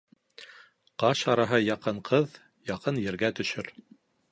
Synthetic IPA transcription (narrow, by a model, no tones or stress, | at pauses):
qɑɕɑɾɑɦɤjɑqɤɴqʰɤð | jɑqɤnjɘ̆ɾɡæt̪ɵ̆ʃɵɾ